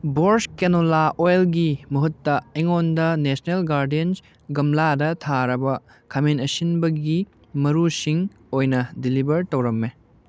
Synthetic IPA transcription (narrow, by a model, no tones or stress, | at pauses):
boɾskenolaʔojlɡimɐɦutːɐeŋondɐnesnelɡaɾdiens | ɡɐmladɐtʰaɾɐbɐ | kʰɐmenɐsinbɐɡi | mɐɾusiŋ | ojnɐdilibɐɾtɐwɾɐmːe